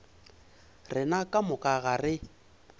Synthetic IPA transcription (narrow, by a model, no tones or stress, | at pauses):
rɪnakʼamʊkʼaɣarɪ